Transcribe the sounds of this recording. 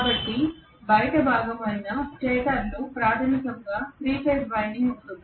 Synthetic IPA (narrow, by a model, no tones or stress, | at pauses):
kaːbɐʈːi | bɐjʈɐbʱaːɡɐmɐjnɐsʈeːʈɐɾlupɾaːt̪ʰɐmikɐŋɡaːt̪ɾiːʈeːsbɐjɳɖiŋɡunt̪und̪i